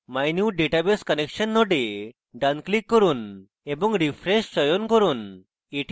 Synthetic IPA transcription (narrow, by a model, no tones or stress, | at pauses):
majnjuːɖeʈabeskənekɕənːɔɽe | ɖanklikːəɾuːn | ebɔŋɡɾifɾeɕt͡ɕəjɔnkəɾuːn | eʈ